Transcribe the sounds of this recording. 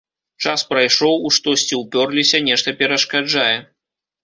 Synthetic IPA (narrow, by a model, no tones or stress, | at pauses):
t͡ʂaspɾajʂɔwuʂt̪ɔsʲt͡sʲiwpʲɔrlʲisʲɐnʲɛʂt̪ɐpʲɛɾɐʂkad͡ʐajɛ